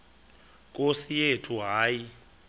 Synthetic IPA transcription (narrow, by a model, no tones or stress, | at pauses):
kʼosijetʰuɦaːji